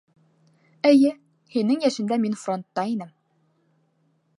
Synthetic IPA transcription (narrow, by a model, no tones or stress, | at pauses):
ɘ̆jɘ | hinːɘŋjæʃɘ̆nd̪æminfro̞nt̪ːɑinɘm